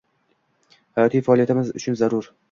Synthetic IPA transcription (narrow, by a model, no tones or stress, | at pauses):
hajɒt̪ʰijfaːliat̪ʰɪmɪzʊ̰t͡ʃʰʊnzaɾʊɾ